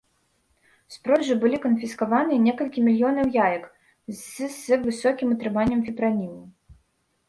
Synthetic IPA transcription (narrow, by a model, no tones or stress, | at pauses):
spɾɔʐɨbɨlʲikɐnfʲiskavanɨɛnʲɛkɐlʲkʲimʲilʲjɔnɐwjajɐk | zɨvɨsɔkʲimɐt̪ɾɨmanʲːɐmfʲipɾanʲimu